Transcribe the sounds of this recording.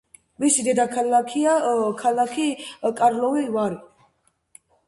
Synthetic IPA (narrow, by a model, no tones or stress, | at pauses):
visid̪ɛd̪akʰalakʰiakʰalakʰikʼaɾlɔvivaɾi